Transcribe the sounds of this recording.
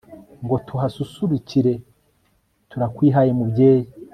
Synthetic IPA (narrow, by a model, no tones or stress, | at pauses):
ŋɡo̞tʰuɦasusuɾuciɾe̞ | tʰuɾakwiːɦaje̞mubɟe̞ːji